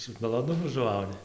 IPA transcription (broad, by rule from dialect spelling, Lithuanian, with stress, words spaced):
sʊ mɐlˠoːˈnʊmʊ ʒʊˈʋɐʊnʲɪ